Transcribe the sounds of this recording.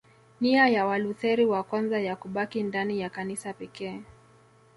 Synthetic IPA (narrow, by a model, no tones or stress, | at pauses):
niajawaluθɛɾiwakwanzajakuɓakindanijakanisapɛkɛː